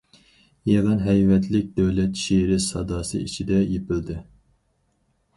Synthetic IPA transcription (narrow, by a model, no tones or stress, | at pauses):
jeʁɨnɦɛjvɛt̪ʰlɪk̚ʲd̪ɛwlɛt̪ʃeɾɪsɑd̪ɑːsɨ̰it͡ʃʰid̪ɛjepɪld̪ɪ